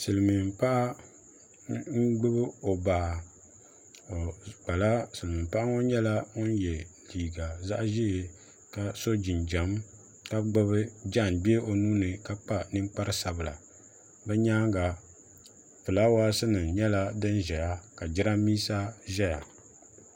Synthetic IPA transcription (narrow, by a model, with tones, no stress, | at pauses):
sɨ˨lɨ˨mɨ˨m˨pa˦ʔa˦ | ŋ̩˦ɡ͡bɨ˦bɨ˦o˨baː˨ | o˨k͡pa˨la˦sɨ˨lɨ˨mɨ˨pa˦ʔa˦ŋo˦ɲɛ˦la˦ŋo˦n˦jɛ˨liː˨ɡa˨za˦ʔʒi˦˨ | ka˨so˦d͡ʒɪ˨nd͡ʒa˨m | ka˦ɡ͡bɨ˦βɨ˦d͡ʒa˦˨nbi˦e˦o˨nuː˦nɨ˨ka˦k͡pa˦nɨ˦ŋ˦k͡pa˦ɾɨ˦sa˨bɨ˨la̰˨ | bɛ˦ɲa˦ŋɡa˨ | fɨ˨la˦waː˦sɨ˦nɨ˨ɲɛ˦la˦dɨ˦nʒɛ˨ja˦ka˨d͡ʒɪ˦ɾa˦miː˦sa˦ʒɛ˦ja˨